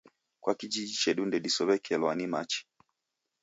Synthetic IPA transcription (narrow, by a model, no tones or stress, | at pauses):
kwʔakid͡ʒid͡ʒit͡ʃɛɗundɛɗisɔβɛkiɛlɔwanimat͡ʃi̥